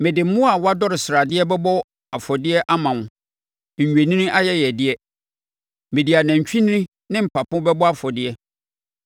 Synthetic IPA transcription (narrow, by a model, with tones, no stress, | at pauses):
mɪ̃˨dɪ˨m̩˦mʊ̃˦a˨wa˦dɔ˦ɾɪ˨sɪ˨ɾa˨dɪ˦ɛ˦bɛ˦bɔ˦ | a˨fɔ˨dɪ˦ɛ˦ʔa˦mã˨ʊ̃˨ | ɲ̩˨ɥᶣe˨nĩ˦nĩ˦ʔa˦jɛ˦jɛ˨dɪ˦ɛ˦ | mɪ̃˨di˨a˨nã˨ɲ˨t͡ɕᶣĩ˦nĩ˦nĩ˦ | nɪ̃˦m̩˨pʰa˨pʊ̃˦bɛ˦bɔ˦a˦fɔ˨dɪ˦ɛ˦